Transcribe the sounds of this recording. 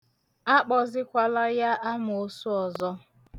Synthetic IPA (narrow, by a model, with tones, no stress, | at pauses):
a˦k͡pɔ˨zɪ˦kʷa˨la˦ja˦ʔa˦m˨o˦su˦ɔ˨zɔ˦